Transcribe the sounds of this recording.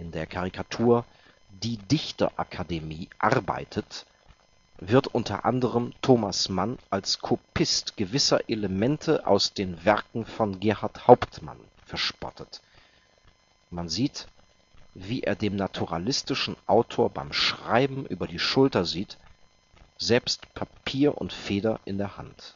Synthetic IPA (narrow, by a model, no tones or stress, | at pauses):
ʔɪndeːɐkʰaʁikʰatʰuːɐ | d̥iːdɪçtɐ̰ʔa̰kʰademiːʔaʁba̰ɪtʰət | vɪɐtʔʊntʰɐ̰ʔa̰ndəʁəmtʰoːmasmanʔalskʰopʰɪstɡ̥əvɪsɐʔeləmɛntʰəʔa̰ʊsd̥eːnvɛɐkŋ̩fɔnɡɛɐhaɐthaʊptma̰n | fɛɐʃpɔ̰tət | manziːt | v̥iːʔḛːɐdeːmnatʰuʁa̰lɪstɪʃn̩ʔaʊtʰoːɐba̰ɪmʃʁ̥aɪbm̩ʔy̰ːbɐdiːʃʊltɐziːt | z̥ɛlpstpʰapʰiːɐʔʊ̰ntfeːdɐʔɪndeːɐha̰nt